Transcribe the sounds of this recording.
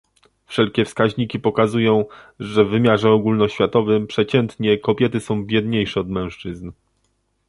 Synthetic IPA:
fʂɛlkʲɛfskaʑɲikʲipɔkazujɔ̃w̃ʐɛvːɘmʲjaʐɛɔɡulnɔɕfʲjat̪ɔvɘmpʂɛt͡ɕɛnt̪ɲɛkɔpʲjɛt̪ɘsɔ̃w̃bʲjɛd̪ɲejʂɛɔd̪mɛ̃w̃ʂt͡ʂɘzn

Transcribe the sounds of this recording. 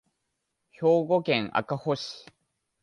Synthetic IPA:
çoːɡokeŋa̰kahos

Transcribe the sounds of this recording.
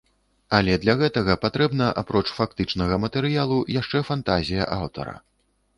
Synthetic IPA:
alʲɛd̪lʲɐɣɛt̪ɐɣɐpat̪ɾɛbnɐʔapɾɔt͡ʂfakt̪ɨt͡ʂnɐɣɐmɐt̪ɛɾɨjalˠujaʂt͡ʂɛfant̪azʲijɐ̰ʔawt̪ɐ̰ɾɐ̰

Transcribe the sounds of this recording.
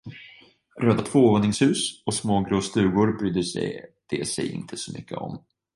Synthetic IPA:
ɾøːd̪at̪ʰvoːɔːɾnɪŋshʉ̟ːsɔsmoːɡɾoːst̪ʉ̟ːɡʊɾbɾyːd̪əʂɛ̰jd̪̥eːsɛjɪ̰nt̪ʰəsɔmʏ̰kːə̰ɔ̰m

